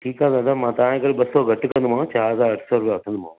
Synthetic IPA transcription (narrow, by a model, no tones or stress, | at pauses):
ʈʰiːkãd̪ãt̪ʰamãːt̪ɐʋãkəɾɓɐsɔɡʱɐʈkɐ̃nd̪ʊm̤ãt͡ɕaːɦɐzaːɾɐʈʰsɔɾʊpaʋɐʈʰə̃nd̪ʊmãː